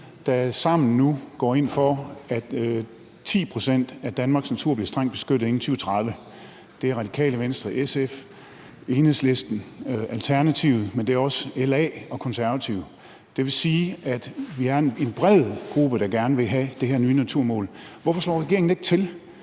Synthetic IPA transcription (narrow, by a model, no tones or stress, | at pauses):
d̥æsɑ̈m̰n̩ːuɡ̥ɒ̰ːe̝n̰fɒ̽æd̥ | t͡sʰḭːpʰʁo̝sen̰d̥æd̥ænmɑ̈ːɡ̥snæt͡sʰuɐ̰bliɐsd̥ʁaŋ̰d̥̚b̥e̝sɡ̥ød̥ð̩ˠe̝n̩t͡sʰyːət͡sʰʁɑð̞ˠʋə | d̥e̝æɐʁɑ̈d̥ikʰɛ̰ːləʋensd̥ʁɐʔesef | e̝ːnhḛsle̝sd̥n̩ʔælt͡sʰæɐnæt͡sʰiʊð̩ˠmend̥e̝æɒ̽səelɛɒ̽kʰɒ̽nsæɐʋæt͡sʰiʊ̰ | d̥e̝ʋe̝siːæd̥ʋiæɐe̝nb̥ʁɛð̰ˠɡ̥ʁub̥əd̥ɑ̈ɡ̥æɐnəʋe̝ɦæd̥e̝hæɐnyːnæt͡sʰuɐ̰mɔ̰ːlʋɒfɒ̽slɒ̰ːʁɛɡ̥eɐeŋn̩e̝ɡ̥t͡sʰe̝l